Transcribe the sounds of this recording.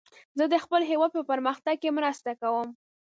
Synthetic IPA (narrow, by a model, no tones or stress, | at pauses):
zəd̪əxpəlɦewɑd̪̚pəpəɾməxt̪aɡ̚kemɾast̪akawəm